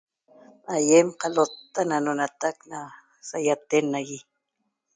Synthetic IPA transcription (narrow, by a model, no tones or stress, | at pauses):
ajemqɑlot̪ːananonat̪akna | sajat̪enaɡi